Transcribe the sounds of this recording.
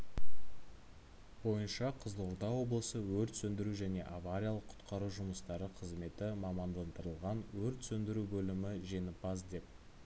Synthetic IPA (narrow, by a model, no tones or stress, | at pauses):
bo̞jənʃɑqʰəzəlˠʊɾd̪ɑwo̞blˠəsəwɵɾt̪sɵnd̪ɪɾuʒæne̞ʔavaɾʲijalˠəqʰʊ̥t̪qɑɾuʒʊməst̪ɑɾəqʰəzme̞t̪ɪmɑmɑnd̪ɑnd̪əɾəlˠʁɑnwɵɾt̪sɵnd̪ɪɾubɵlɪmɪʒenɪpɑzd̪e̞p̚